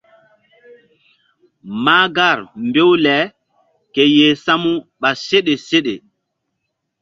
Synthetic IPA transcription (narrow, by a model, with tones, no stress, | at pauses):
ma˦ɡa˦˨ɾmbe˦wlɛ˨˦ | ke˨je˨sa˦mu˦ɓa˨se˦ɗe˨se˦ɗe˨